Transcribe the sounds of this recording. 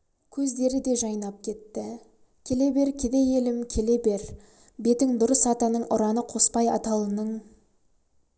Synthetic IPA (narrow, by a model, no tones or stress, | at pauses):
kʲʰɵzd̪e̞ɾɪd̪e̞ʒɑjnɑp̚kʲʰe̞t̪ːɪ | kʲʰele̞be̞ɾkʲʰed̪e̞je̞lɪmkʲʰele̞be̞ɾ | be̞t̪ɪŋd̪ʊɾəsɑt̪ɑnəɴʊɾɑnəqʰo̞spɑjɑ̰t̪ɑlˠənəɴ